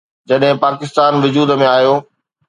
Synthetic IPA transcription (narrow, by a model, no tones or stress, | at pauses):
d͡ʑɐɗɦɪ̃paːkɪst̪aːnʋʊd͡ʑuːd̪mẽaːɦijoː